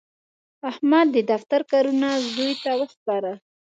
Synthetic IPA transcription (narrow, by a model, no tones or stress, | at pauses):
ahmad̪ːəd̪aft̪aɾkɑɾunazd̪ujt̪awəxpɑɾa